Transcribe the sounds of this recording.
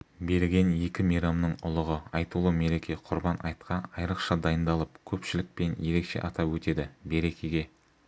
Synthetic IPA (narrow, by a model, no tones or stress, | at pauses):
be̞ɾɡʲe̞nje̞kʲɪmijɾɑmnəɴʊlˠəʁəɑjt̪əlˠume̞ɾe̞kʲʰe̞qʰʊɾbɑnɑ̰jt̪qʰɑnɑjɾəqʃɑd̪ɑjənd̪ɑlˠəpkʲʰɵpʃɪlɪk̚pe̞nje̞ɾe̞kʃe̞̰ʔɑt̪ɑpwɵt̪e̞d̪ɪbe̞ɾe̞kʲʰeɡʲe̞